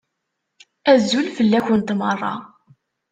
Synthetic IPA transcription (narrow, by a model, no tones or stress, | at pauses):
æzːulfəlːæçənt̪mərˤːɑ̰